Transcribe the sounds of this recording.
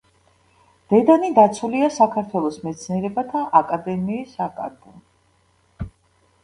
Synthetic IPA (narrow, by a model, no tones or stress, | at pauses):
d̪̥ɛd̪anid̪at̪sʰuliasakʰaɾt̪ʰwɛlˠɔsmɛt̪sʰniɛɾɛbat̪ʰaʔakʼad̪ɛmiːsakʼa̰ɾbu